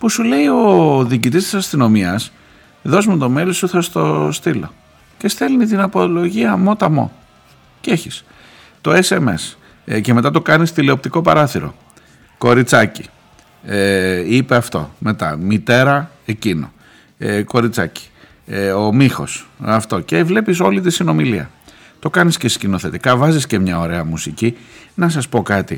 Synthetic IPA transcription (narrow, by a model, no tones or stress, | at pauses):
pusule̞io̞ðiːcit̪ist̪i̥sɐst̪ino̞miɐs | ðo̞zmut̪o̞me̞lisuθɐst̪o̞̰st̪ilo̞̰ | ce̞st̪elnit̪inɐpo̞lo̞ʝiɐmo̞t̪ɐmo̞̰ | ce̞çis | t̪o̞e̞se̞me̞̰s | ce̞me̞t̪ɐt̪̬o̞kɐnist̪ile̞o̞p̚t̪iko̞pɐɾɐθiɾo̞̰ | ko̞ɾit͡sɐci | ipe̞ɐft̪o̞̰me̞t̪ɐ̰mit̪e̞ɾɐ | e̞cino̞̰ | ko̞ɾit͡sɐci̥ | o̞mixo̞̰sɐft̪o̞ceːvle̞pis̬o̞lit̪isino̞miliɐ̰ | t̪o̞kɐnisce̞scino̞θe̞t̪ikɐvɐzisce̞mɲɐo̞ɾe̞ɐmusicinɐs̬ɐspo̞kɐt̪i